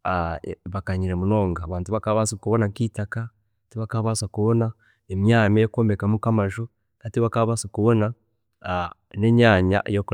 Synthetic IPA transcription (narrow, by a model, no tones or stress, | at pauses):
aβakaɲiɾemunoːŋɡaβaːntuβakaβasikuβonakitaka | tiβakaβasakuβona | emjamijokoːmbekamukamaʒu | natiβakaβasakuβona | neɲaɲa̰ʔjoku